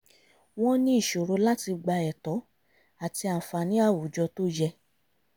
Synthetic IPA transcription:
w̃ɔ̃˦nĩ˦i˦˨ʃo˨ɾo˨˧la˦ti˧ɡ͡ba˧ɛ˨tɔ˨˦ | a˨ti˧a˨fa˨nĩ˨˦a˦˨wu˨d͡ʒɔ˧to˦d͡ʒɛ˧

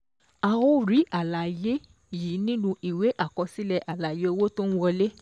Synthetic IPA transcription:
a˨o˦ɾi˨˦a˨la˨je˦ | ji˨˦nĩ˦nũ˧i˨we˨˦ʔa˦˨kɔ˧si˦lɛ˧ʔa˨la˨je˨˦wo˦to˦ñ̩˦wɔ˧le˦

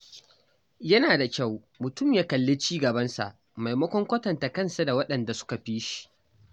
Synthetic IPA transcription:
jɐ˦naː˨da˨kʲa˦˨w | mʊ˨tʊ˦˨mjaː˦kɐ˨lːeː˦t͡ʃiː˦ɡɐ˨bɐ˦nsa̰˨ʔ | ma˨jmɐ˦kʷɔ˦ŋkʷɐ˦tɐ˨nta˨kɐ˦˨nsa˨da˨wɐ˦ɗɐ˨nda˨sʊ̥˦ka˨ɸiː˦ʃi̥˨

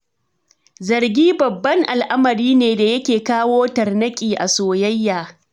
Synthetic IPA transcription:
zɐ˨rɡʲiː˦bɐ˨bːɐ˦ŋʔa˨lʔa˦mɐ˨ɾiː˦neː˨da˨jɐ˦kʲeː˨kaː˦woː˦tɐ˨rnɐ˦kʲʼiː˨ʔa̰˨soː˨jɐ˦jːaː˨

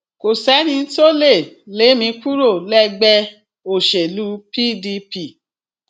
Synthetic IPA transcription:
ko˨sɛ˨˦nĩ˧˦to˦le˦˨le˨˦mĩ˧ku˦ɾo˦˨lɛ˦ɡ͡bɛ˧ | o˦˨ʃe˨lu˨˦pi˦di˧pi˦˨

